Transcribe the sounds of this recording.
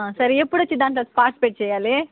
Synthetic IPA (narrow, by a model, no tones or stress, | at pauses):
ãsɐɾiepːuɽɐt͡ʃid̪aːnt̪lɐspaːʈspeːʈ̚t͡ʃɛjːaːleː